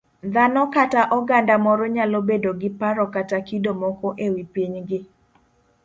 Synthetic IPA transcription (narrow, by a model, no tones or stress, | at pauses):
d̪anɔkataʔɔɡandamɔɾɔɲalɔbedoɡɪpaɾɔkatakidomɔkɔʔewipiɲɡɪ